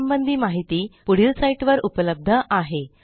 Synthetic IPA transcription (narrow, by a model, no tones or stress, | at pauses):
mbənd̪ʱiːmaɦit̪iːpuɽ̤iːlsaiʈʋəɾupələb̚d̪ʱəʔaɦe